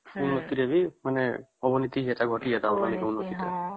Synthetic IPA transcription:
unːɔt̪iɾebimaneɔbɔnit̪iɦiet̪aɡʱɔʈiad̪autanikeunːɔt̪it̪ɔ

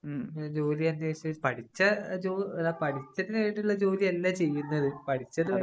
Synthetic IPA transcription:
d͡ʑo̞ːliɐnd̪eːʂɐipɐʈʰit͡ɕːɐd͡ʑoːnapɐʈit͡ɕːɐtineːɽuɭːɐd͡ʑo̞ːliɐlːat͡ɕe̞jːunːɐðɨpɐʈʰit͡ɕːɐðɨɐ

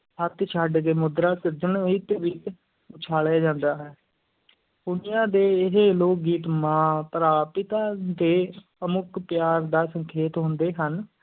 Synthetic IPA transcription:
ɦət̪t͡ʃʰaɖkeːmʊd̪ɾaːsɪɾd̪əɳɪt̪ʋɪt͡ʃ | ʊt͡ʃʰaːljaːd͡ʒãːnd̪aːɦɛː | pʊnɪjãːd̪eːɪɦeːloːk̚ɡiːt̪mãːpəɾaːpɪt̪aːd̪eː | əmʊkpjaːɾd̪aːsəŋkʰeːt̪ɦʊ̃nd̪eːɦən

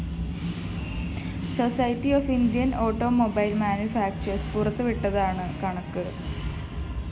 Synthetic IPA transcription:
so̞sɐjtːioːfind̪jɐno̞ːʈːo̞ːmobɐjlmaːnjufaːk̚t͡ɕɐrspurɐt̪ːɨʋiʈːɐðaːɳɨkɐɳɐkːɨ

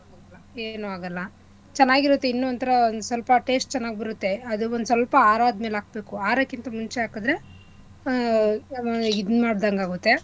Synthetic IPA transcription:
aɐlːɐe̞ːnuaːɡɐlːɐ | t͡ʃɐnːaːɡiɾut̪ːe̞inːuɐnt̪ʰɐɾɐond̪usʋɐlpɐʈe̞ːsʈ̚t͡ʃɛnːaːɡibɐɾut̪ːe̞ɐd̪uond̪sɐlpɐaːɾaːd̪meːlaːkɐbe̞ːkuaːɾɐkːint̪ɐmunt͡ʃeaːkɐd̪ɾe̞ | id̪maːɽd̪aŋɡaːɡut̪ːe̞

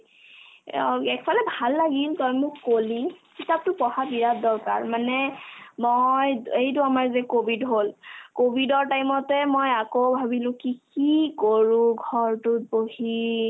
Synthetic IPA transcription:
ɛkpʰalɛbʱalːaɡiltɔjmʊkːolikitap̚tʊpɔhabiɹat̚dɔɹka̰ɹmanɛmojejtʊamaɹzɛkobʱidɦolkobʱidɔɹtajmɔtɛmojakowbʱabilʊ̃kikikoɹʊ̃ɡʱɔɹtʊt̚bohi

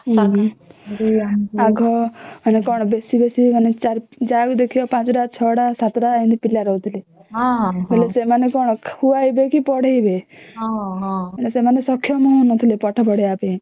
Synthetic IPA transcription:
ɦ | aɡʱɔanekɔɽ̃ɔbesibesiɦanet͡ʃaɾd͡ʒaɡd̪ekʰijɔpãt͡ʃɖat͡ʃʰɔɽasat̪ɾaĩnd̪ipilːaɾɔut̪ʰilĩ | belesemanekɔɽ̃huaibekipɔɽeibe | elesemanesɔkʰjɔmɔ̃nɔt̪ʰilepɔʈʰapɔɽeape

